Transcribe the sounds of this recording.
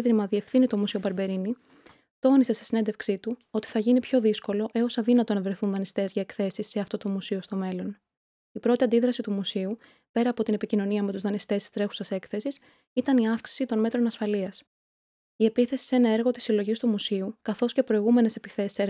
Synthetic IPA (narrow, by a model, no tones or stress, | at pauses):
ðɾimɐðie̞fθinit̪o̞musio̞pɐɾbe̞ɾini | t̪o̞nisest̪i̥sine̞nd̪e̞fksit̪uo̞t̪i̥θɐʝinipço̞ðisko̞lo̞ʔe̞o̞sɐðinɐt̪o̞nɐvɾe̞θunðɐnist̪e̞zʝɐekθe̞sisːe̞ɐft̪o̞t̪o̞musio̞st̪o̞me̞lo̞n | ipɾo̞t̪iɐnd̪iðɾɐsit̪umusiu | pe̞ɾɐːpo̞t̪ine̞picino̞niɐme̞t̪uzðɐnist̪e̞si̥st̪ɾe̞xu̥sɐse̞kθe̞sis | it̪ɐniɐfksi̥sit̪o̞nme̞t̪ɾo̞nɐsfɐliɐs | ie̞piθe̞si̥se̞nɐe̞ɾɣo̞t̪i̥silo̞ʝist̪umusiukɐθo̞sce̞pɾo̞iɣume̞ne̞se̞pi̥θe̞si̥seɾ